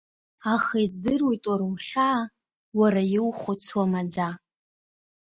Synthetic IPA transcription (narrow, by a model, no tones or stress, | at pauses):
aχazdɨrwojtʼwaɾwχʲaː | waɾajɪwχʷʊt͡sʰwamad͡za